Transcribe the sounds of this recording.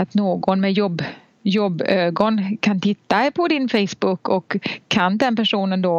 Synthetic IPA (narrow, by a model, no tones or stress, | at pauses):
at̪noːɡɔnmɛjɔbː | jɔbːøːɡɔnkʰant̪ʰɪt̪ːaɛpʰɔd̪ɪnfɛjsbʊkːɔkʰːand̪ɛnpæʂuːnənd̪o